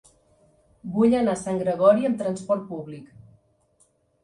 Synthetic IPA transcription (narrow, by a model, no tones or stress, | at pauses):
buʎənasaŋɡɾəɣ̞ɔɾiəmt̪ɾənspɔɾt̪̚puβlik